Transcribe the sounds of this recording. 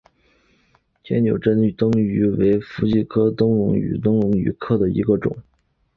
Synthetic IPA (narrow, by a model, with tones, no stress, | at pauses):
t͡ɕ̪ʰjɛ̰˧˥njo˨˩ʊʈ͡ʂə˥n˥t̪ɤ˥ŋy˧˥we˧˥ɪfu˧˥t͡ɕi˥˩kʰɤ˥t̪ʊ˥ŋɻʊ̰˧˥ŋy̰˨˩t̪ʊ˥ŋɻʊ˧˥ŋy̰˨˩kʰɤ˥d̪ə˨ḭ˧˥ɡə˧ʈ͡ʂʊ̰˨˩˦ŋ